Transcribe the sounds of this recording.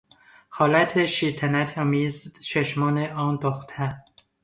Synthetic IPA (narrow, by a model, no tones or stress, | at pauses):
hɒːlæt̪ʰeʃiːt̪ʰænæt̪ʰɒːmiːzt͡ʃʰeʃmɒːneʔɒːnd̪oxt̪ʰæ